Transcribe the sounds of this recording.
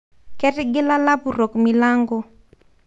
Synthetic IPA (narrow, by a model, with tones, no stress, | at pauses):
kɛ˦tɪ˦ɡɪ˦la˦la˦bu˨ɾo˨kmi˨la˦ŋɡɔ˦